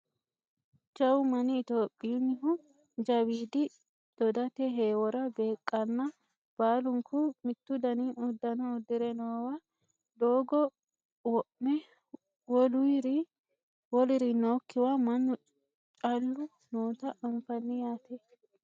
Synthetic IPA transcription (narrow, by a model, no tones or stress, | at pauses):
d͡ʒɐwʊmɐnɪːt̪oːpʼːɪjʊnːɪhʊ | d͡ʒɐwiːd̪ɪ | d̪̥ɔd̪ɐt̪ɛɦeːwɔɾɐbe̞ːkʼːɐnːɐ | b̥aːlʊŋkʰʊmɪt̪ːʊd̪ɐniʊd̪ːɐnɔːd̪ɪɾɛnoːwa | d̪oːɡɔ | wɔʔmɛ | wɔlʊɪɾɪ | wɔlɪɾɪnoːkːɪwaːmɐnːʊ | t͡ʃʼɐlːʊ | noːt̪ɐʔɐɱfɐnːɪjaːt̪ɛ